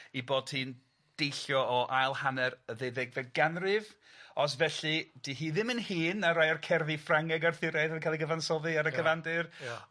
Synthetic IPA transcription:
iboːd̥̚hiːn | d̥ejɬjɔɔʔajlˠhanɛɾəðeðɪɡvɛɡanrɨv | ɔs̬vɛɬid̥ihiːðɪmənhiːnaɾajrkʰɛrðifraŋɛɡarθɪɾaðɛkʰalˠiɡəvansɔðɨaɾəkʰəvandɨr

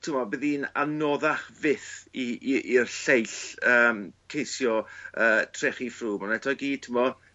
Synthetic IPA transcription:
tʰɪmɔbɪðiːna̰nɔðaχvɪθiʔirɬejɬəːmkʰejsjɔəːtʰrɛχifruːmɔnɛtʰɔɡiːtʰɪmɔ

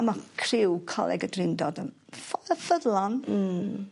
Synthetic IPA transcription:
makʰrɪwkʰɔ̰lˠɛ̰ɡədrɪndɔdən | fɔəfəðlˠɔn̩

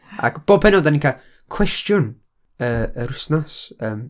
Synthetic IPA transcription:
a̰kb̥oːb̚pʰɛnɔdaninkʰa | kʰw̥ɛstjʊn | əəɾʊsnɔsəːm

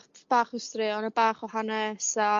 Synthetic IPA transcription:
χtb̥aːχʊstrɨɔnəbaːχwahanɛsa

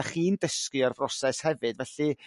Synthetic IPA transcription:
aχiːndəskɨarvrɔsɛshɛvɨdvɛɬɨ

